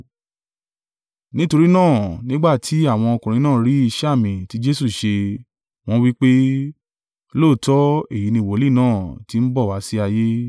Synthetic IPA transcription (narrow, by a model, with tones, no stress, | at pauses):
nĩ˦to˧ɾi˦nãː˦˨nĩ˦ɡ͡ba˦˨tʰi˨˦a˦˨w̃ɔ̃˧ɔ˧kũ˨ɾ̃ĩ˧˦nãː˦˨˦ɾi˨˦i˧ʃa˦˨mĩ˨ti˨˦d͡ʒe˦su˦˨ʃe˧ | w̃ɔ̃˦wi˦k͡pe˦ | loː˦˨tɔ˦e˦˨ji˨˦nĩ˧˨wo˨˦li˦˨nãː˦˨ti˧˦n̩˦bɔ˦˨wa˨˦si˦a˧je˦